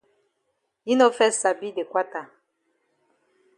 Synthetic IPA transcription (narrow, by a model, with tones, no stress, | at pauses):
i˦no˦fɛ˦sa˨bi˦de˨kwa˦ta˨